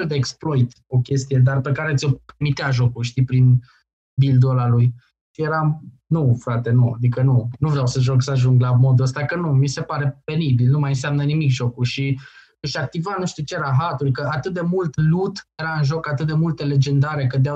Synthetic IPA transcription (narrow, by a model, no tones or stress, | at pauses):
eld̪eeksploit̪ | o̞kʲe̞st̪ije̞d̪arpe̞kaɾe̞t̪sʲo̞permit̪eaʒo̞kulʃt̪ipɾin | bild̪olaluj | je̞ɾam | nufɾat̪e̞nua̰d̪ikənunuvɾeawsəʒo̞ksəaʒuŋɡlamo̞d̪uəst̪akənumise̞paɾe̞pe̞nibilnumajɨnseamnənimikʒo̞kuʃi | ɨʃak̚t̪ivanuʃt̪iut͡ʃeeɾaɦat̪uɾʲkəat̪ɨt̪̚d̪e̞mult̪lut̪je̞ɾaɨnʒo̞kat̪ɨt̪̚d̪e̞mult̪əle̞d͡ʒe̞nd̪aɾe̞kəd̪ea